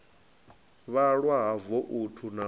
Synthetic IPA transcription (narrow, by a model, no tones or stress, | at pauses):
βaɺwaɦavɔʔutʰuna